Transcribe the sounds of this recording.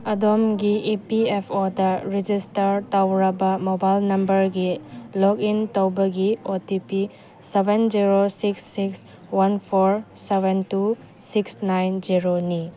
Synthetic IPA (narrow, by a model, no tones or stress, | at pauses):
ɐdomɡiʔipiepʰodɐɾid͡ʒistɐɾtawɾɐbɐmobajlnɐmbɐɾɡilokintowbɐɡiotipi | sebend͡ʒiɾosiksːiks | wanpʰoɾsebentu | siksnajnd͡ʒiɾoni